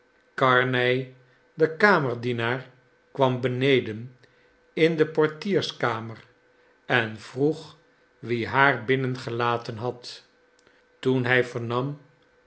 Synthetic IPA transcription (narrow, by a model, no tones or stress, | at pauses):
kɑɹnɛj | dəkaːməɹdinaːɹ | kʋɑmbənejdən | ɪndəpɔɹtiːɹskaːmər | ɛnv̥ruχ | ʋiɦaːɹbɪnənχəlaːtənɦɑt | tunɦɛjvəɹnɑm